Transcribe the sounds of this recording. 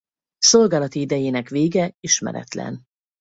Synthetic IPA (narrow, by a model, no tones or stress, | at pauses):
so̞lɡaːlɒt̪iid̪ɛjeːnɛkveːɡɛiʃmɛ̰ɾɛ̰t̪lɛ̰n